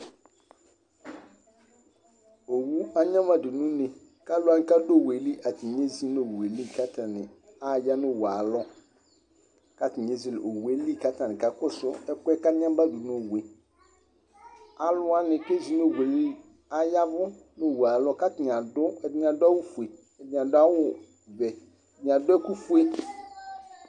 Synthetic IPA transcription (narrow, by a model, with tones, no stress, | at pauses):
o˨wu˦a˦ɲã˦ma˨du˨nũ˦nɪ̃˨ | ka˦lʊ˦a˦nɪ̃˨ka˦do˦˨we˨li˦ʔa˨tɪ˨ɲe˦zi˦no˨wu˨e˨li˦˨ka˦tʰa˨nɪ̰̃˨ | a˦˨ja˦nʊ̃˦˨wu˨a˨lɔ˦ | ka˦tɪ˨ɲe˦zi˨lʔo˨wu˨e˦li˦˨ka˦tʰã˨nɪ̃˨ka˨kʊ˦sʊ˦ɛ˦kʷɛ˦ka˦ã˦m˦ba˦du˨no˦˨we˨ | a˨lʊ˦a˦nɪ̃˨ke˦zi˦no˦˨we˨li˦ | a˦ja˦vʊ˦ | nʊ˦˨wu˨a˨lɔ˦ka˦tɪ˨ɲ˨ã˨dʊ˦ɛ˨dɪ˦ɲ˨a˨da˦wʊ˦fu˨e˨ | ɛ˨dɪ˨a˨dʊ˦a˦wʊ˦ | vɛ˨ | dɪ˨ɲ˨a˨dʊ˦ɛ˦ku˦fu˦e˦